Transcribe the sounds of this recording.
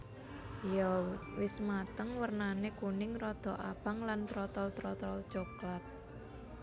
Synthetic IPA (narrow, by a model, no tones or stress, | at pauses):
jɔwɪsmat̪əŋwərnanekunɪŋɾɔd̪̥ɔ̤ʔab̥a̤ŋlant̪ɾɔt̪ɔlt̪ɾɔt̪ɔlt͡ʃoklat̪̚